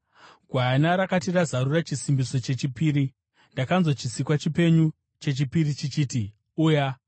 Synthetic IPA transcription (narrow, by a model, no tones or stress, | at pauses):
ɡʱwanaɾakatirazaɾurat͡ʃisimbiso̞t͡ʃe̞t͡ʃipiːɾi | ndakanzo̞t͡ʃisikwat͡ʃipe̞ɲu | t͡ʃe̞t͡ʃipiɾit͡ʃit͡ʃiːti | uːja